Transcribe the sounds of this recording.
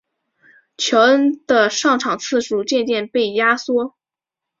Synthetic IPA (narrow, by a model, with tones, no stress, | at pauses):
t͡ɕʰjɔ˧˥d̪̥ə˧ʂɑ˥˩ŋʈ͡ʂʰɑ˨˩ŋt͡sʰɹ̩˥˧ʂu˥˩t͡ɕjɛ˥˧nt͡ɕjɛ˥˧npe˥˩ɪja˥swɔ˥